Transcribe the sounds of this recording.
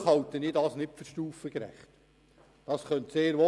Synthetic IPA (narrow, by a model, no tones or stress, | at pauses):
hɑltəniːdɑsnɪpfʏɾʃtuːfəkɾæ̰χt | d̥ɑsχœntseːɾʋo